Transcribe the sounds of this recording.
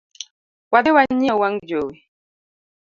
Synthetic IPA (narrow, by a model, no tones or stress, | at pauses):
wadɪwaɲɛwaŋd͡ʒoːwi